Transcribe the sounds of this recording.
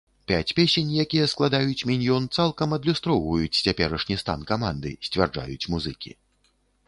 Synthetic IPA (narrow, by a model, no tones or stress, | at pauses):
pʲat͡sʲpʲesʲɛnʲjakʲijɛsklˠad̪ajut͡sʲmʲinʲjɔnt̪salˠkɐmɐd̪lʲust̪ɾɔwvɐjut͡sʲt͡sʲapʲɛɾɐʂnʲist̪a̰nkamand̪ɨ̰sʲt͡sʲvʲard͡ʐa̰jut͡sʲmuzɨkʲḭ